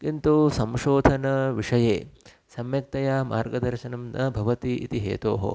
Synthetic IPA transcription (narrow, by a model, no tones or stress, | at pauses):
kint̪usɐmʃoːd̪ʱɐnɐʋiʂɐjeː | sɐmjɐk̚t̪ɐjaːma̰ːɾɡɐd̪ɐɾʃɐnɐmnɐbʱɐʋɐt̪iʔḭt̪iɦḛːt̪o̰ːɦo̰